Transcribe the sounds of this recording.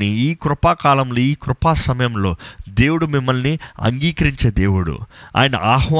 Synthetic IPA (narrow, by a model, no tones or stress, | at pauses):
iiːkɾʊpaːkaːlɐmlo̞ːiːkɾʊpaːsɐmɐjɐmlo̞ːd̪e̞ːwuɽumimːɐlniɐ̰ŋɡiːkɐɾiɲt͡ʃeːd̪e̞ːwuɽṵa̰ːjɐnɐ̰ʔaːɦʋa